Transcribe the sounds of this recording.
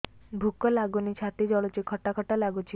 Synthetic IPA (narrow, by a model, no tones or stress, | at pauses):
bʱukːɔlaɡunit͡ɕʰat̪id͡ʑɔlot͡ɕikʰɔʈːakʰɔʈːalaɡut͡ʃʰi